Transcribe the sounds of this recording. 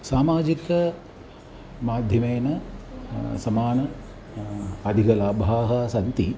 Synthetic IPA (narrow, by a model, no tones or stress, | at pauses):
saːmaːd͡ʒikɐ | maːd̪ʱjɐmeːnɐ | sɐmaːnɐ | ɐd̪ʱiɡɐlaːbʱaːɦaːsɐnt̪ḭ